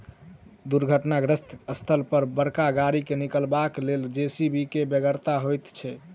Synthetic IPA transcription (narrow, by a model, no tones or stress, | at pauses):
d̪uɾɡʱəʈnaɡɾəst̪əst̪ʰəlpəɾbəɾkaɡaɾikenikəlbakleld͡ʒesibʱikebəɡəɾt̪aɦojt̪t͡ʃʰɛ